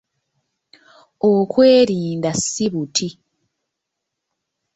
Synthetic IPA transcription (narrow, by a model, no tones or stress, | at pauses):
okwe̞ːɾiːndasːiβutʰi